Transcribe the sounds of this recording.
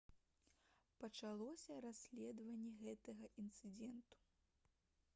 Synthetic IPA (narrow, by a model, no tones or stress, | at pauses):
pɐt͡ʂalˠɔsʲɐɾasʲlʲɛd̪vɐnʲːɛɣɛt̪ɐɣɐʔint̪sɨd͡zʲɛnt̪u̥